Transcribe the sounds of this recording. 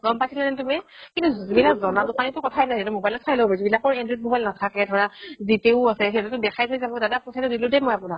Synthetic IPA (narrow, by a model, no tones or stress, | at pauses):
ɡɔmpasʰilanɛtumɛkintuzubilakzɔnadupanitʊkɔtʰaɛnajzɛtɛmobajlɔt̚sʰajlobɛzubilakɔɹɛndɹit̚mobajlnatʰakɛdʱɔɹaziteʊasɛɦetutʊdɛkʰajtʰojzabɔdadapɔsʰatʊdilʊdɛmɔjapunak